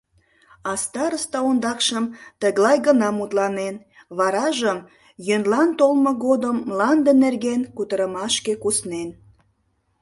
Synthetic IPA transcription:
ɑst̪ɑɾəst̪ɑond̪ɑkʃəmt̪əɣlɑjɣənɑmut̪lɑnen | βɑɾɑʒəm | jønlɑnt̪olmoɣod̪əmːlɑnd̪enerɣenkut̪əɾəmɑʃkekusnen

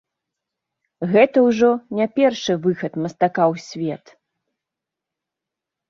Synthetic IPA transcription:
ɣɛt̪ɐwʐɔnʲapʲɛrʂɨvɨxɐt̪mɐst̪akawsʲvʲɛt̪

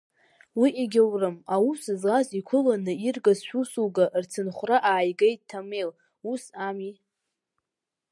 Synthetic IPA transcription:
wiʔeɡʲawrɨmausɨzʁazikʷʰʊlanɨirɡazʃʷᶣusuɡaʔrt͡sʰɨnχʷraʔaːjɡejttʰːame̞l | usami

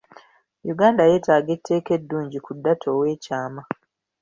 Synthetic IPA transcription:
juɡaːndaje̞ːtaːɡetʰːe̞ːke̞dːuːɲɟikudːatʰo̞ːwe̞ːcaːma

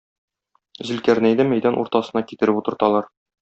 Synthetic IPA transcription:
zɘ̆lkæɾnæjd̪æmæjd̪ænʔṵɾt̪ɑsɤ̆nɑkit̪ɘ̆ɾɘput̪ɤ̆ɾt̪ɑlˠɑɾ

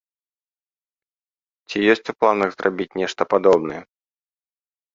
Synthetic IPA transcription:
t͡sʲijɔsʲt͡sʲuplˠanɐɣzrʔabʲit͡sʲnʲɛʂt̪ɐpad̪ɔbnɐjɛ

